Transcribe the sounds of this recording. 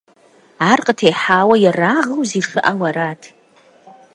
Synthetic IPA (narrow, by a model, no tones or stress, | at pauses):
arqʼətʰejħawajaraʁawziʂɨʔawaɾatʰ